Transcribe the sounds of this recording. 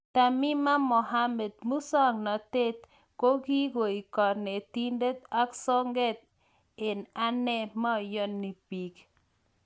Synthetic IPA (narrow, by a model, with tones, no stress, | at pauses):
t̪a˨mi˦ma˦mɔ˨ɦa˦mɛ˨d̪̚mu˦sɔ˦ŋnɔ˨t̪e˦t̪ | ko˦ɡi˦ɡo˨i˨kɔ˨ɾne˨t̪i˦nde˦t̪a˦ksɔ˦ŋɡɛ˦t̪̚ | e˨na˦nɛ˦ma˦ɔ˨jɔ˦nːi˨pi˨k